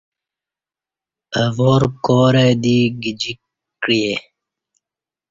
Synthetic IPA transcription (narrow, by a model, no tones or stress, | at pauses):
əvoːɾkoːɾeːd̪iːɡid͡ʑi | ɾije